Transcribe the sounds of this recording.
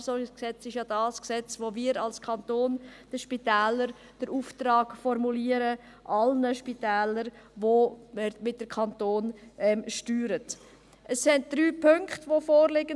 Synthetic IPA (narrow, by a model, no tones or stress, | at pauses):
sɔɾɡɪsksɛt͡sɪʃjɑd̥ɑːsksɛt͡sʋomiːɾɑlskʰɑntoːnd̥əʃpitɛːləɾ | d̥əɾuːftɾɑːɡ̥fɔɾmuliːəɾə | ʔɑlnəʃpitɛːləɾvommɪt̚d̥əkʰɑntoːnʔɛmʃtyːɾət | ʔəsɪnt̚d̥ɾyːpʰɵŋktʋofɔːɾlɪɡə